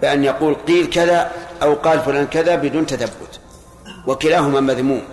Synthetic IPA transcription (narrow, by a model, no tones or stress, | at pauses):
bɪʔanjɑquːlqiːlkaðaʔawqɑːlfʊlaːnkaðabɪd̪uːnt̪aθabːʊ̰t̪ | wakɪlaːɦʊmaːmaðmuːm